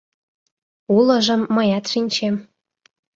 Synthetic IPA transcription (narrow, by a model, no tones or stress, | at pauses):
ulə̆ʒəmːəjɑt̪ʃinʲt͡ɕem